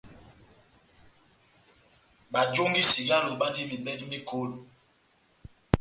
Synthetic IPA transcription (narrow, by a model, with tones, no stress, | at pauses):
ɓa˨d͡ʒo˦ŋɡi˦si˨ɡa˦lo˨ɓa˦ndi˦mi˨bɛ˦di˦mi˦kʰo˦lu˨